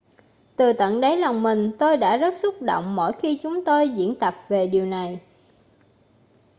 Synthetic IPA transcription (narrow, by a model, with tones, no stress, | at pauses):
t̪ɨ˨˩t̪ə̰˧˨nɗə˨˦jla˨˩wŋ͡mmï˨˩ŋ̟t̪o˧jɗa̰ː˧˥zə˦˥t̚sʊ˦˥k͡p̚ɗo̰˧˨wŋ͡mmo̰˧˥˨jxi˧t͡ɕʊ˨˦ŋ͡mt̪o˧jzḭ˧˥ənt̪a˨˩p̚ve˨˩ɗi˨˩əwna˨˩j